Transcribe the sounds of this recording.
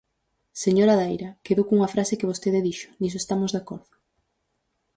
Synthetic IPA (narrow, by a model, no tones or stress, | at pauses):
seɲoɾaðejɾakeðokuŋɐfɾasekeβ̞ost̪eðeðiʃʊ̥nis̬oest̪amozðakɔɾðʊ